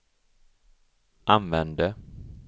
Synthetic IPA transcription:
ʔanvɛnd̪ə

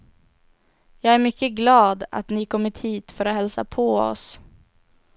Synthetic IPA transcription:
jɑːɡæɾmʏkːəɡlɑːd̪a̰t̪nɪkʰɔmːɪt̪hiːt̪fœɾahɛlsa̰pʰoːɔ̰s

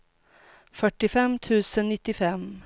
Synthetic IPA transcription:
fœʈːɪfɛmt̪ʰʉ̟ːsənːɪt̪ːɪfɛm

